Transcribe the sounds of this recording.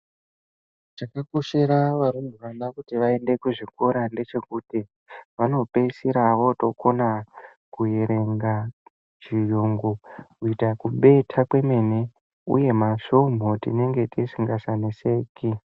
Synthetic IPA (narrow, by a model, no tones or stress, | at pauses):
t͡ʃakakoʃeɾaʋaɾumbʱuʋanakutiʋae̞nde̞kuʐikoɾande̞t͡ʃe̞kuti | ʋano̞pe̞siɾaʋo̞to̞ko̞na | kujeɾe̞ŋɡa | t͡ʃijuːŋɡukuitakuɓe̞tʰakwe̞me̞ne | ṵje̞maʃom̤ʱotḭne̞ŋɡe̞tisiŋɡasanese̞ːki